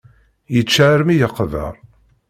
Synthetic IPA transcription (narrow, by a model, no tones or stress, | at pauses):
jət͡ʃːʕɾmijəqːvə̰ɾˤ